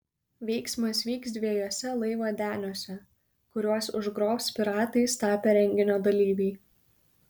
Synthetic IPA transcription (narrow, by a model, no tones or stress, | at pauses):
ʋʲɛɪksmɐsʋʲiːksd̪ʲʋʲiɛjoːsʲɛlˠɐɪʋoːd̪ʲæːnʲoːsʲɛ | kʊɾʲuɔsʊʒɡɾoːpsʲpʲɪɾɑːt̪ɐɪst̪ɑːpʲeɾʲɛŋʲɡʲɪnʲoːd̪ɐlʲiːʋʲɛɪ